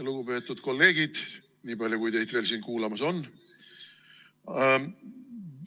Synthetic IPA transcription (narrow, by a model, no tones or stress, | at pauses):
luɡ̥upe̞ːt̪ːˑud̪̥ko̞lːe̞ːɡ̥id̪̥ | niːbɑlʲjukujt̪e̞jd̪ve̞ːlsiːnkuːlɑmɑso̞nː